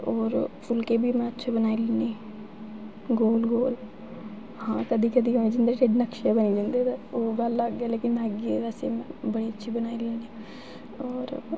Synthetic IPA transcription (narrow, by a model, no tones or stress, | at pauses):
ɔːɾpʰʊlkeːbiːmɛ̃ətːʃʰaːbənaːilɪniː | ɡoːlɡoːl | hãːkəd̪iːkəd̪iːoːed͡ʒɪ̃nd̪eːʈeɖnəkʃjabəniːd͡ʒãːnd̪ieːt̪aoːɡəlːaːɡːaːleːkɪnaːɡiʋaseːmɛ̃ːbəɽiːətːʃʰiːbənaːiləni | ɔːɾ